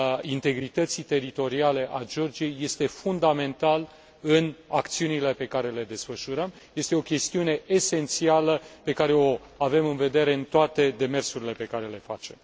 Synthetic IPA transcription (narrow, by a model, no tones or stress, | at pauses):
int̪e̞ɡɾit̪ət̪sit̪e̞ɾit̪o̞ɾiale̞ʔad͡ʒo̞rd͡ʒije̞jːe̞st̪e̞fund̪ame̞nt̪al | ɨnakt̪siunile̞pe̞kaɾe̞le̞d̪e̞sfəʃuɾəm | je̞st̪e̞o̞kʲe̞st̪iune̞ʔese̞nt̪sialəpe̞kaɾe̞o̞ | ave̞mɨnve̞d̪e̞ɾe̞ɨnt̪oat̪e̞d̪e̞me̞rsuɾile̞pe̞kaɾe̞le̞fa̰t͡ʃe̞m